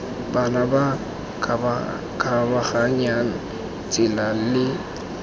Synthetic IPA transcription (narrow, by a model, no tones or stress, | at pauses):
banaba | kabaχaɲana | t͡sʼɪlalɪ